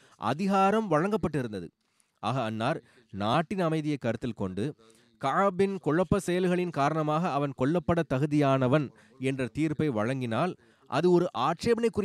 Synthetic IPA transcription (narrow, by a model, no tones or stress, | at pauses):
ʔɐ̰ðɪɣaːɾɐmʋɐɻɐŋɡɐpːɐʈːɪɾɯnd̪ɐðɯ̰ | ʔaːɣɐːnːaːɾ | naːʈːɪnɐmɐɪðɪjɐɪkːɐɾɯt̪ːɪlkɔɳɖɯ | kɐɐbɪnkɔɻɐpːɐsɛjɐlɣɐɭɪnkaːɾɐɳɐmaːɣɐːʋɐnkɔɭːɐpːɐɽɐt̪ːɐɣɯðɪjaːnɐʋɐn | ɛndrɐt̪iːɾpɐɪʋɐ̰ɻɐŋɡɪnaːl | ʔɐ̰ðɯɔɾɯʔaːʈ̚t͡ʃeːʋɐnɐɪkːʊrɪ